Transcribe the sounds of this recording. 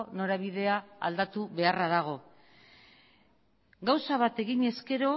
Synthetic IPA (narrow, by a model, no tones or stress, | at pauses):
no̞ɾaβiðe̞aa̰ld̪at̪uβe̞araðaɣ̞o̞ | ɡawsaβat̪e̞ɣiɲe̞ske̞ɾo̞